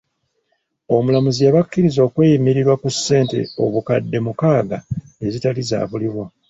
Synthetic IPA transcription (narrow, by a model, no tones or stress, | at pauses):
o̞mulamuzijaβakːiɾizo̞ːkwe̞ːjimiɾiɾwakusːe̞ːnte̞̰o̞̰βukadːe̞mukaːɡa | e̞zitaliza̰ːβuliβwo